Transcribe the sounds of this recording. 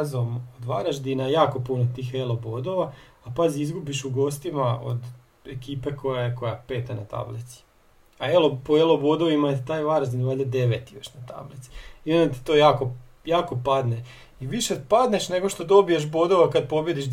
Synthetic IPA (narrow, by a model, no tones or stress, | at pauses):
zomod̪ʋaɾaʒd̪inajaːko̞punot̪iːxelobod̪o̞ʋaːpaziizɡubiʃuɡo̞ːst̪imao̞̰d̪ | ekiːpeko̞jaeko̞jape̞ːt̪anat̪a̰blit̪si̥ | aelopoelo̞bod̪oʋimat̪it̪aːjʋaɾaʒd̪inʋad̪ed̪e̞ʋet̪ijaʃnat̪a̰blit̪si̥iond̪at̪i̥t̪ojaːko̞ | jaːko̞pad̪ne | iʋiʃepad̪neʃne̞ɡoʃt̪o̞d̪o̞bijeʃ̬bo̞d̪o̞ʋakad̪̚po̞bje̞d̪iʃ